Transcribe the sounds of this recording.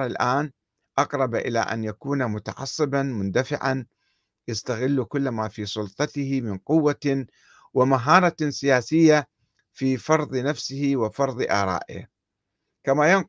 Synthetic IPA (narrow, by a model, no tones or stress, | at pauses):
ɾˤalʔaːn | ʔɑqɾˤɑbʔɪ̰la̰ʔa̰njakuːnamʊt̪ɑʕɑ̰sˤːɨbanmʊnd̪afɪʕa̰n | jast̪aɣɪlːukʊlːamafiːsˤʊlt̪ˤɑt̪ɪhɪmɪnqʊwːa | wɪmaɦɑːɾˤɑsɪjaːsɪjːa | fiːfɑɾˤðˤnafsɪhiwɪfɑɾˤðˤʔɑ̰ːɾˤɑ̰ːʔɪ̰h | kamajɪn